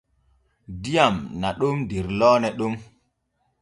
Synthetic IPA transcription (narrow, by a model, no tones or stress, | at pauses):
dijamnaɗumdiɾlɔːnɛɗum